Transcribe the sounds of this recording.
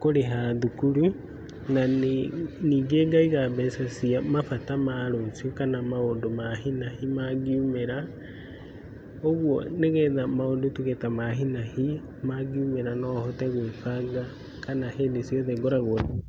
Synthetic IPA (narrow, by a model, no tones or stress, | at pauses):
koɾeɦaðukuɾu | na | niːɡeːɡaiɣaβɛsasiamafatamaːɾosiokanamaondomaɦinahimaɣiumeɾa | oɣwɔ̰neɣɛðamaodotuɣɛtamaɦinahi | maɣiumeɾanɔhɔtɛɣwefaɡa | kanaheːndesjɔðɛɡoɾaɣɔ